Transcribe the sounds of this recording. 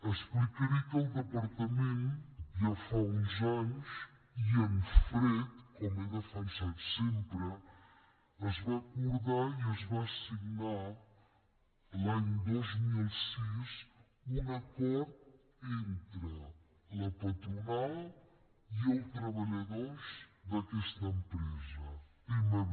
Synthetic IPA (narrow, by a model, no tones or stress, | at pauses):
ɐʃpɾɨkɐɾikɐlðɨpɐɾt̪ɐmẽnt̪ʒafaũzanuʃ | iɐ̃nfɾetkomɛʎɐfɐjsaðsẽmpɾɨ | ɐzvakuɾðaɾiɐzvasiɣnaɾ | laɲẽd̪ozmilˠsiz | ũnɐkɔɾð | ẽnt̪ɾɨ | lɐpɐt̪ɾunalˠ | iɐwt̪ɾɐβɐʎɐðoɾʃðɐkɛʃt̪ɐempɾezɐ | imɐ